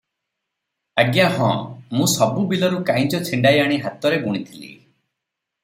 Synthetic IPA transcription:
aɡjaɦɔ̃mũsɔbubilɔɾukãj̃d͡ʒɔt͡ʃʰiɳɖajaɽ̃iɦat̪ɔɾeɡuɽ̃it̪ʰilḭ

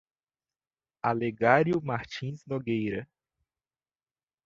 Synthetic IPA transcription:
aleɡaɾjʊmaɾt͡ʃĩznoɡejɾɐ

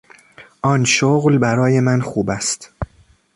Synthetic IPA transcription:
ʔɒnʃoɣlbæɾɒːje̞mænxuːbæst̪

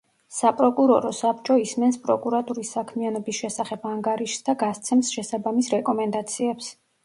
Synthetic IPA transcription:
sapʼɾɔkʼuɾɔɾɔsap̚ʰt͡ʃʼɔismɛnspʼɾɔkʼuɾat̪ʼuɾisːakʰmianɔbisʃɛsaχɛbaŋɡaɾiʃsd̪aɡast̪sʰɛmsʃɛsabamisɾɛkʼɔmɛnd̪at̪sʰiɛps

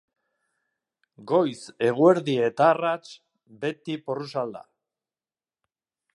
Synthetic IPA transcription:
ɡo̞jse̞ɣ̞ue̞ɾðie̞t̪arat͡ʃ | be̞t̪iporusald̪a̰

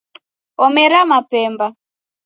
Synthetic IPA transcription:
ɔmɛɾamapɛːmba

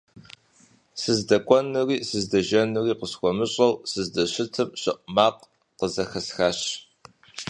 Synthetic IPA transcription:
sɨzdɐkʷʼɔnɨriːsɨzdɐʒɐnɨriːqəsxʷɔmɨɕʼɐwsɨzdɐɕɪtʰɨmɕɪʔʼmaːq | qəzɐxɐsxaːɕ

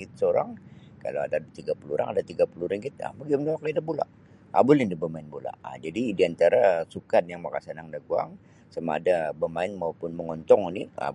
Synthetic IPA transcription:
ɡɪt̪̚səoɾaŋ | ka̰la̰wa̰dat̪iɡapuluɾʔa̰ŋadat̪iɡapuluɾiŋɡɪt̪̚a̰maɡimdawakaidabula̰ʔ | a̰bʊlindabəmaɪnbula̰a̰d͡ʒadidiant̪aɾasukanjaŋmakasanaŋdaɡua̰ŋ | sama̰ːdabəmaɪnmaupʊnməŋɔnt̪ɔŋinɪa̰

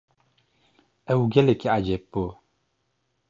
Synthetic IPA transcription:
ɛwuɡɛlekiʔad͡ʒɛpo

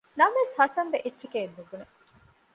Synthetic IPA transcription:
nɐmʋeshɐsɐnʋeʔetːʃekeːnːuɡune

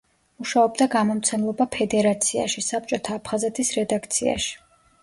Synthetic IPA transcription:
muʃaɔbd̪aɡamɔmt̪sʰɛmlˠɔbapʰɛd̪ɛɾat̪sʰia̰ʃisap̚t͡ʃʼɔt̪ʰaːpʰχazɛt̪ʰisɾɛd̪akʰt̪sʰia̰ʃi̥

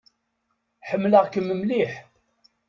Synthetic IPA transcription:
ħəmːləʁkəmːəmliħ

